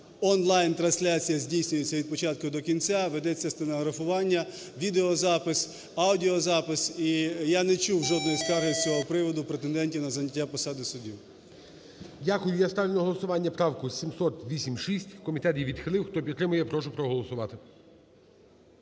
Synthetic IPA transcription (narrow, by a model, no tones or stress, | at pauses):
ɔnlˠɑjnt̪ɾɐnsʲlʲat͡sʲijɐzʲdʲijsʲnʲʊjet͡sʲːɐʋʲid̪̚pɔt͡ʃɑt̪̚kʊd̪ɔkʲinʲt͡sʲaʋed̪ɛt͡sʲːɐst̪enɐɦɾɐfʊʋɑnʲːɐ | ʋʲid̪eɔzɑpɪs | awdʲiɔzɑpɪsijanɛt͡ʃuwʒɔd̪nɔjsk̪aɦɪt͡sʲɔɦɔpɾɪʋɔd̪ʊpɾet̪end̪ɛnʲtʲinɐzɐnʲɐtʲːapɔsɑd̪ɪsʊdʲiw | dʲakʊjʊjast̪ɑlʲlʲnɔɦɔlˠɔsʊʋɑnʲːɐpɾɑwkʊsʲimsɔt̪ʋʲisʲimʃisʲtʲkɔmʲit̪ɛt̪jiʋʲid̪xɪlˠɪwxt̪ɔpʲit̪ːɾɪmʊjɛpɾɔʃ̬ʊpɾɔɦɔlˠɔsʊʋɑt̪ɪ